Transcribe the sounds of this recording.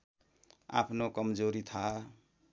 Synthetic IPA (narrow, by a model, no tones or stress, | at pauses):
a̰pʰnokʌmd͡zoɾit̪ʰa